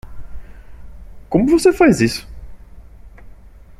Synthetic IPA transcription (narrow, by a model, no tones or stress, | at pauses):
kõmʊvosefajzisʊ̥